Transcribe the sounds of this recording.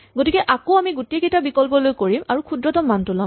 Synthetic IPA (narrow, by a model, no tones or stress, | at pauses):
ɡotikɛʔakoamiɡutiekejtabikɔlpɔlojkoɹimaɹukʰudɹɔtɔmːantʊla